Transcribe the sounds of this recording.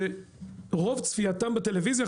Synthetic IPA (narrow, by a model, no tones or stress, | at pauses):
e | ʁo̞vt͡sfiat̪ambet̪e̞levizja